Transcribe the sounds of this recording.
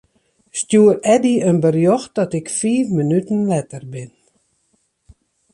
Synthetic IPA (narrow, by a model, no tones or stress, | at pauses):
stjuːəɾɛdiənbərjɔxt̚dɔtɪkfiːvmənytn̩lɛtərbɪn